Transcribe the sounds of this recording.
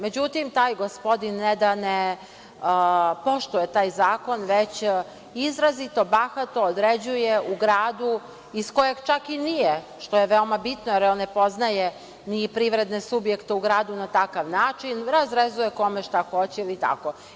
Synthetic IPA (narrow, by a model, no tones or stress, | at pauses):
me̞d͡ʑut̪imt̪aːjɡo̞spo̞d̪inːed̪ane | po̞ʃt̪uje̞t̪aːjzaːko̞nʋet͡ɕ | izɾazit̪o̞baxat̪o̞ːd̪ɾed͡ʑujeuɡɾaːd̪u | isko̞jeɡt͡ʃakinije | ʃt̪o̞je̞ʋeomabit̪nojeɾonepo̞znaje | nipɾiʋɾe̞d̪nesubje̞kt̪euɡɾaːd̪unat̪akaʋnaːt͡ʃinɾazɾezuje̞ko̞meʃt̪axo̞t͡ɕiilit̪a̰ko